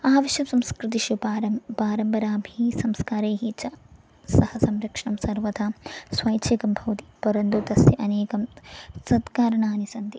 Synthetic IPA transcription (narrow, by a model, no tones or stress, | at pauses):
aːʋɐʃjɐmsɐmskɾit̪̬iʃupaɾɐmpaːɾɐmbɐɾaːbʱisɐmskaːɾeːɦit͡ʃɐ | sɐhɐsɐmɾɐkʂɐɳɐmsɐɾʋɐd̪ʰʱasʋɐjt͡ʃʰekɐmbʱɐʋt̪i̥pɐɾɐnd̪ut̪ɐsjɐʔɐneːkɐmsɐd̪kaːɾɐɳaːnisɐnd̪i